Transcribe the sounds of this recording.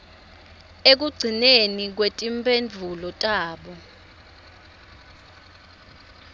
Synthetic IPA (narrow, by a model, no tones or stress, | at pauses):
ek̬uɡ͡ǀʱinenik̬wetʼimpʰʼend͡ɮʱulɔtʼaːɓɔ